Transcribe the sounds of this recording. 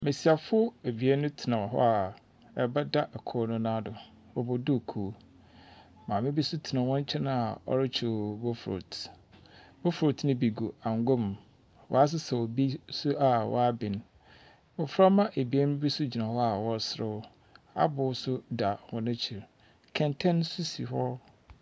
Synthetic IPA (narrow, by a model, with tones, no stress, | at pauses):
mẽ˨si˨a˨fʊ˦e˨bi˨e˦nʊ̃˦tʰɪ˨nã˨ɦɔ̰˦a˨ | ɛ˨ba˦da˦ʔɛ˨kʰɔː˦nʊ̃˦nã˦dʊ˨ | wɔ˨bɔ˨dʊ˦˨kʰu˨˦˨ | mãː˨mɪ̃˦bi˦sʊ˦tʰɪ˨nã˨wɔ̃˦ɲ˦t͡ɕʰɛ˦nã˦a˨ɔ̰˦ɾɪ˦t͡ɕʰu˨bo˦fɾo̰˨t | bo˦fɾo˨tnʊ̃˦bi˨ɡu˨a˨ŋɡo˦m | wɔ̰˨˦a˦s̬ɪ˦sɛ˨wo˨bi˦sʊ˦a˨wɔ̰˦a˦bɪ˨n˦ | wɔ˨fɾa˦mã˦ʔe˨bi˨e˦n˦bi˦sʊ˦d͡ʑi˨nã˨hɔ˦a˨wɔ˦sɾɪ˦ | a̰˦bʊ˨˦sʊ˦da˨hɔ̃˨nã˦t͡ɕʰi˨ɾ | kʰɛ̃˨ntʰɛ̃˦n˦sʊ˦si˨hɔ˦